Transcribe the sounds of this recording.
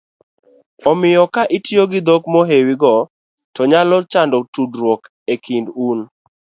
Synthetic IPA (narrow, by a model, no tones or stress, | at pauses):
ɔmɪjɔkaʔɪtjoɡɪd̪okmɔɦewiɡɔ | tɔɲalɔt͡ʃandɔtudɾwɔk | ekʰindun